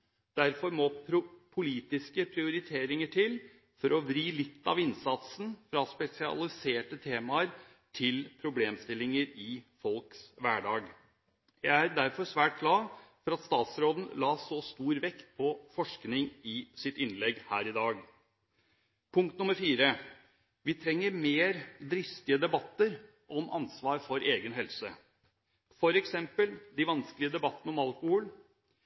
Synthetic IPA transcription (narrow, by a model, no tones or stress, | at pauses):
d̪̥æɾfɔɾmɔpʰɾʊpʰʊliːt̪ɪskəpʰɾɪʊɾɪt̪ʰeːɾɪŋəʈʰɪl | fɔɾɔʋɾiːlɪt̪ːɑ̰ʋɪnsɑt̪sn̩fɾɑspɛsɪɑ̰lɪseːʈət̪ʰeːmɑəɾ | ʈʰɪlpʰɾʊbleːmst̪ɪlːɪŋəɾɪfɔlksʋæːɖɑːɡ | jæɪæɾd̪æɾfɔʂʋæːʈ̚ɡlɑːfɔɾɑt̪st̪ɑːt̪sɾoːd̪n̩lɑːsɔst̪uːɾʋɛkt̪pʰɔfɔʂknɪŋɪsɪt̪ɪnːlɛɡhæːɾɪd̪ɑːɡ | pʰʊŋk̚t̪nʊməɾfiːɾə | ʋɪt̪ʰɾɛŋːəɾmeːɾd̪ɾɪft̪ɪəd̪ɛbɑt̪ːəɾ | ʔɔmʔɑ̰nsʋɑːɾfɔɾʔeːɡənɦɛlsə | fɔɾɛksɛmpəld̪ɪʋɑnsklɪəd̪ɛbɑt̪ːənəɔmɑlkʊhɔl